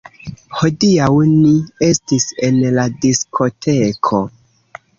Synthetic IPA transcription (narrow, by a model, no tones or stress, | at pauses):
hodiawnie̞stise̞nladiskʰo̞tʰe̞kʰo̞